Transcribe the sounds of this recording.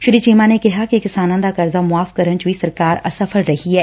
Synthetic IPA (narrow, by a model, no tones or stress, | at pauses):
ʃʊɾiːt͡ʃiːmãnekɪɦakikɪsaːnãːd̪aːkɐɾzaːmʊaːfkɐɾənt͡ʃʋisɐɾkaːɾɐ̰səfʰəlɾɐɦiɦɛː